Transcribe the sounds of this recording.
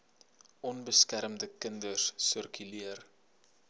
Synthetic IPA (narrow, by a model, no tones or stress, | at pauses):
ʔɔnbəskæɾmdəkəndərsərkyliər